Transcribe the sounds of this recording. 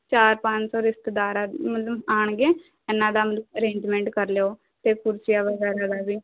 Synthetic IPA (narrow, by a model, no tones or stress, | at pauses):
t͡ʃaːɾpãɲt͡ʃsɔːɾɪst̪əd̪aːɾamət̪ləbaːɳɡeː | ɛːnãːd̪aːmət̪ləbəɾẽːɲd͡ʒmɛ̃ːɳʈkəɾleːoː | t̪eːkʊɾsɪjaːʋəɡɛːɾaːd̪aːbiː